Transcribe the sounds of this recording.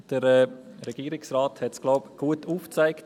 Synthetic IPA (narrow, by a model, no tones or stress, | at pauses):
d̥əɾɛ | ɾɛɡ̥iːɾɪksɾaːthɛtsɡ̥laʊpɡ̥uətuːft͡sæɪk